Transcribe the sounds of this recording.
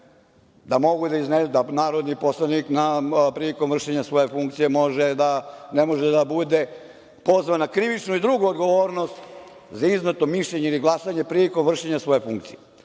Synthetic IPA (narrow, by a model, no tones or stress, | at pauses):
d̪amo̞ɡud̪aizneud̪anaːɾod̪niposlˠaniknapɾiliko̞mvr̩ʃeɲasʋo̞je̞fuŋk̚t̪sije̞mo̞ʒed̪anemo̞ʒed̪abud̪e̞ | po̞zʋanakɾiʋit͡ʃnuid̪ɾuɡuod̪ɡo̞ʋo̞ːɾno̞st̪ | zaiznot̪omiʃʎeɲeiliɡlˠasaɲepɾiliko̞mvr̩ʃeɲasʋo̞je̞fuŋkt̪sije